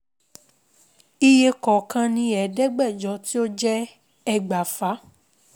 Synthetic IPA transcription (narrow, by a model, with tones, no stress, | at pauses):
i˧je˧kɔ˨kã˧nĩ˧˦ɛ˨dɛ˦ɡ͡bɛ˦˨d͡ʒɔ˨˦ti˦o˦d͡ʒɛ˦ | ɛ˧ɡ͡ba˨fa˨˦